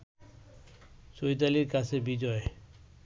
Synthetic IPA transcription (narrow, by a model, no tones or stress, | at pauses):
sojd̪aliɾkat͡ɕʰebid͡ʑɔe